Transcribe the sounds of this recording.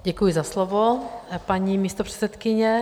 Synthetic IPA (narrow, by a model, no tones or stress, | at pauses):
ɟɛkujɪzaslovopaɲimiːst̪opr̥ɛ̥sɛt̪kɪɲɛ